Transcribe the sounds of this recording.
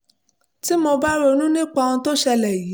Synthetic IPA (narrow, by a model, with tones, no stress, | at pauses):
ti˦mo˧ba˦ɾo˦˧nũ˦nĩ˦k͡pa˧ũ˧to˦ʃɛ˧lɛ˨jiː˨˦